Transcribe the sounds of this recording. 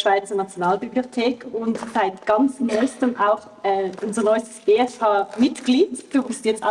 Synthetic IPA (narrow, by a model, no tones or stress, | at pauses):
ʃv̥aɪt͡sɐnat͡sjonaːlbibliotʰeːkʰʊntz̥aɪtɡ̥ɑnt͡snɔʏstəmʔaʊx | ɛːʔʊnzənɔʏstə̥sb̥eːɛshaːmɪtɡ̥liːtfopɪstːɛt͡sa